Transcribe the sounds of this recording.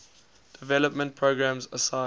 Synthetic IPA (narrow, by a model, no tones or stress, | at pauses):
d̥ɪvɛləpmə̃nt̚pʰɹoːɡɹæ̃mzəsã